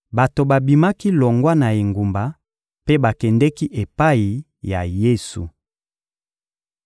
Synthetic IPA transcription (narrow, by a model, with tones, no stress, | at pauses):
ba˨to˨ba˨bi˨ma˦ki˦lɔ˨ŋɡwa˦na˨e˨ŋɡu˨mba˨ | pe˦ba˨kɛ˨ndɛ˦ki˦ʔe˨pa˦i˨ | ja̰˨je˦su˨